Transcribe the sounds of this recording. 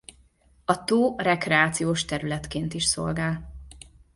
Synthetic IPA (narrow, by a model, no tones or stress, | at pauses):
ɒt̪oːrɛkrɛaːt̪sijoːʃt̪ɛɾylɛt̪keːnt̪iʃso̞̰lɡaːl